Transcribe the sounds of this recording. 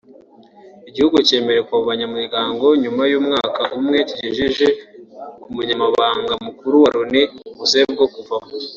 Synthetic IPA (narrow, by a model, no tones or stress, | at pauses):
iɟihuɡuce̞ːme̞ɾe̞kuauβaɲamiɾɡaːŋɡo̞ɲumajuːmŋaːkaʔumŋe̞ciɟiʒiʒe̞kumuɲamaβaːŋɡamukuɾuwaɾoniβuse̞b̚ɡo̞kuva